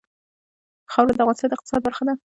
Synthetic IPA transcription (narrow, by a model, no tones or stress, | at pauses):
xawkd̪aɣɑnsəjd̪əɪq̚t̪ɪ̥sɑd̪̚baɾxad̪a